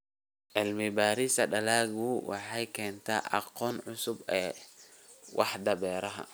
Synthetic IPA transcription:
ʕɪlmɪbaːɾɪsɐɖɐlaːɣʊwʔɑ̰ħɑjkʰɛːnt̪ʰa̰ːʔɑ̰qɔːnʕʊsʊbɛː | wʔɑ̰ħd̪ɐβɛːɾɐɦɐ̰

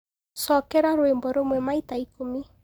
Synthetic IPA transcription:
sɔkɛɾaɾoembɔɾomwɛmaitaikomi

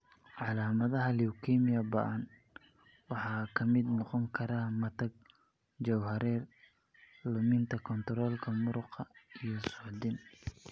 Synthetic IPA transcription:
ʕɑlaːmɐðɐɦɐliwkʰɛmɪjɐbɐ̰ʔɐn | wɑħɑːkʰɐmɪd̪nɔqɔŋkʰɐɾamɐt̪ʰɐɡ̚ | d͡ʒɐwhɐɾɛːr | lʊmɪnt̪ʰɐkʰɔnt̪ʰɾɔːlkʰɐmʊɾʊqʰɐijɔsʊʕd̪ɪn

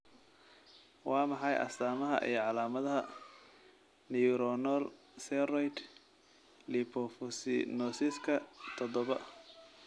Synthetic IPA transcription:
wɑːmɑħɑjʔɐ̰st̪aːmɐɦɐ̰ʔḭjɞʕɑlaːmɐðɐɦɐ | niʊɾɔnɔl | sɛrɔjd̪ | lipʰɔfɔsɪ̰nɔsiskʰɐt̪ʰɔdɔβɐ

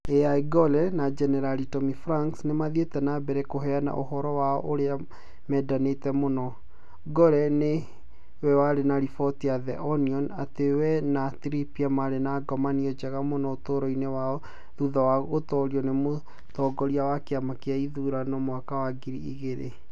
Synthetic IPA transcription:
eaiɡɔlɛnad͡ʒɛnɛɾalitɔmifɾaŋksnemaðetɛnabɛɾɛkoɦɛana̰ʔohɔɾɔwaɔ̰ʔoɾea | mɛːdanetɛmonɔ | ɡɔɾɛne | wɛwaɾenaɾifɔtiaðɛʔɔniɔnatewɛnatɾipiamaɾenaɡɔmaniɔd͡ʒaɣamonɔotoɾɔinewaɔ | ðuðawaɣotɔɾiɔnemo | tɔɡɔɾiawakeamakeaiðuɾanɔmwakawaɡiɾiḭɣeɾḛ

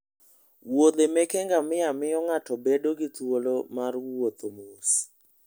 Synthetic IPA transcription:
wod̪emɛkɛŋɡamɪjamɪjɔŋatɔbedoɡɪt̪wolomarwwot̪omos

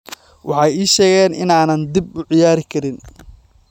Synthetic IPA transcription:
wʔɑ̰ħɑjiːʃɛːɣɛːnʔɪ̰naːnɐnd̪ibʊʕɪjaːɾɪkʰɐɾɪn

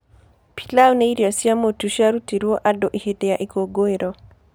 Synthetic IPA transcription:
pi̥lawneiɾjɔsiamotuʃaɾutiɾuɔʔadɔʔihedɛaʔikoɡoeɾɔ

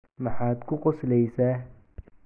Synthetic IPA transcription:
mɑħaːd̪kʰʊqɔslɛjsaː

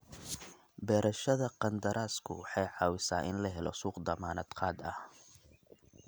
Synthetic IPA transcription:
bɛːɾʔɐʃɐðɐqɑnd̪ɐɾʔaːskʰʊ̰wɑħɑjʕɑːwɪsa̰ːʔɪnlɐɦɛlɔ̰suːqd̪ɐmaːnɐd̪qʰɑːd̪ɐ̰h

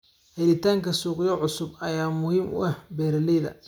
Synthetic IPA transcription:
hɛlɪt̪ʰaːŋkʰɐsuːqɪjɔʕʊsʊbɐjaːmʊhiːmʔʊ̰ɐhbɛːɾɐlɛjðɐ̰

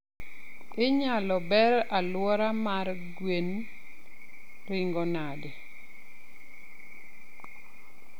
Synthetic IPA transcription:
ɪɲalɔbɛɾalwɔɾamar | ɡwen | rɪŋɡɔnade

